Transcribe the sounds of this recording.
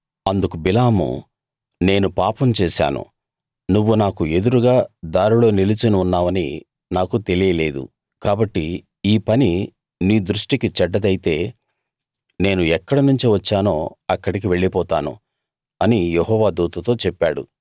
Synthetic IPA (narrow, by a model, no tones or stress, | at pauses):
ɐnd̪ukubilaːmṵ | ne̞ːnupaːpɐmt͡ʃɛːʃa̰ːnṵ | nuʋːunaːkue̞d̪uɾuɡaːd̪aːɾilo̞ːnilit͡ʃɐniunːaːʋɐnḭ | naːkut̪e̞lijɐle̞ːd̪ṵ | kaːbɐʈːi | iːpɐni | niːd̪ɾuʂʈikit͡ʃɛɖːɐd̪ɐjit̪e̞ː | ne̞ːnuɛkːɐɽɐnuɲt͡ʃiʋɐt͡ʃːaːno̰ːɐkːɐɽik̬iʋe̞ɭːipɔːt̪a̰ːnṵ | ɐnijeɦɔːʋaːd̪uːt̪ɐt̪o̞ːt͡ʃɛpːaːɽṵ